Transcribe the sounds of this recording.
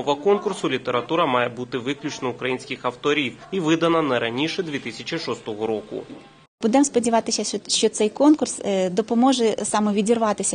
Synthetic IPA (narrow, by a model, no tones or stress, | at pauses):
ɔʋɐkɔnkʊrsʊlʲit̪eɾɐt̪uɾɐmɑjɛbut̪ɪʋɪklʲut͡ʃnɔukɾɐjinʲsʲkʲɪxɐwt̪ɔɾʲiwiʋɪd̪ɐnɐnɐɾɐnʲiʃɛd̪ʲʋʲit̪ɪsʲɐt͡ʃʲiʃɔst̪ɔɦɔɾɔkʊ̰ | bud̪ɛmspɔdʲiʋɑt̪ɪsʲɐʃt͡ʃɔt̪sɛjkɔnkʊrsd̪ɔpɔmɔʒɛsɑmɔʋʲidʲirʋɑt̪ɪsʲɐ